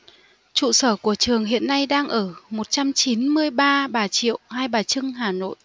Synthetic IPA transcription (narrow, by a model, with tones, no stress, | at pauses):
t͡ɕṵ˧˨səː˧˩ku˧˩ət͡ɕɨ˨˩əŋɦḭ˧˨ənːa˧jɗaː˧ŋʔəː˧˩mo˨˩t̚t͡ɕa˧mt͡ɕi˨˦nmɨ˧əjɓaː˧ɓaː˨˩t͡ɕḭ˧˨əwhaː˧jɓaː˨˩t͡ɕɨ˧ŋhaː˨˩no̰˧˨jʔ